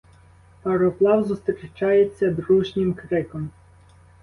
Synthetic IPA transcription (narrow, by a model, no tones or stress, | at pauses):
pɐɾɔplˠɑwzʊst̪ɾʲit͡ʃɑjet͡sʲːɐd̪ɾuʒnʲɪmkɾɪkɔm